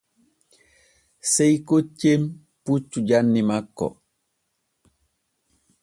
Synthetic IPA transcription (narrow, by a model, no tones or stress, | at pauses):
sejkot͡ʃːem | put͡ʃːuɟanːimakːɔ̰